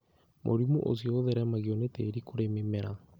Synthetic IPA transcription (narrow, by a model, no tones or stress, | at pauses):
mʔo̰ɾimuʔo̰s̬ioːðeɾɛmaɣiɔneteɾikoɾememɛɾa